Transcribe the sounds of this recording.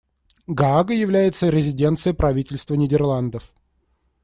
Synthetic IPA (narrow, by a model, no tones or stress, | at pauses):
ɡaaɡəjɪvlʲæjɪt̪səɾʲɪzʲɪdʲe̞nt̪sɨjəpɾɐvʲitʲɪlʲst̪vənʲɪdʲɪrlˠand̪əf